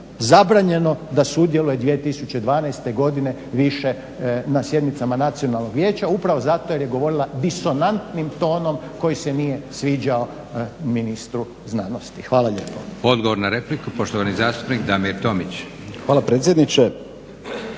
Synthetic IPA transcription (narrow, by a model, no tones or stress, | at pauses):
zabɾaːɲe̞no̞d̪asud̪je̞luje̞d̪ʋiet̪isut͡ɕe̞d̪ʋaːnajst̪eɡo̞d̪ine̞ | ʋiʃe̞ | nasje̞d̪mit̪samanat̪sijo̞nalˠno̞ɡʋje̞ːt͡ɕaupɾaʋo̞zat̪ojeɾjeɡo̞ʋo̞ɾilˠad̪iso̞nant̪nimt̪o̞ːno̞mko̞jise̞nijesʋiːd͡ʑao | minist̪ɾu | znano̞st̪ixʋaːlˠaʎeːpood̪ɡoʋoɾnaɾeplikupoʃt̪oʋanizaːst̪u̥pnikd̪amiɾt̪o̞mit͡ɕ | xaːlapɾet̪s̬ʲjed̪nit͡ʃe